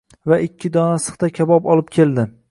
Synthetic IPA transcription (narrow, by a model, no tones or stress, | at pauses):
vaʔɪkʲʰːɪd̪ɒnasɨ̥qt̪akʲʰabɒpɒlˠɪp̚kʲʰe̞ld̪ɪ